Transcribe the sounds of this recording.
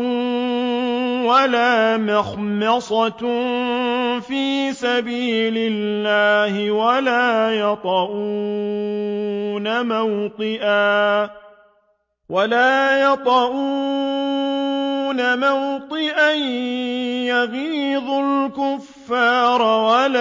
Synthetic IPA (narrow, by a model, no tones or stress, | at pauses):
walaːmɑxmɑsˤɑt | fiːsabiːlɪlːaːhɪwalaːjɑt̪ˤɑʔu | namawt̪ˤɨʔaː | walaːjɑt̪ˤɑʔuː | namawt̪ˤɨʔan | jaɣiːðˤʊlkʊfːɑːɾˤwala